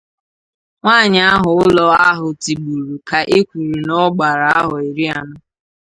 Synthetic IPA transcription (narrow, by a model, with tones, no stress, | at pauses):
ŋʷaː˦˨ɲ˨˦a˦ɦʊ˨ʊ˦lɔ˦a˦ɦʊ˨ti˨ɡ͡bu˨ɾu˨ka˨ʔe˦kʷu˨ɾi˨nɔ˦ɡ͡ba˨ɾa˨a˦ɦʊ˨i˨ɾi˦a˨nʊ˦